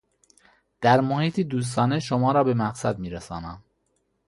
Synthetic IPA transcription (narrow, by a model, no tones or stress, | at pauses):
d̪̥æɾmohiːt̪ʰiːd̪uːs̬t̪ɒːne̞ʃomɒːɾɒːbe̞mæqsæd̪miːɾæsɒːnæm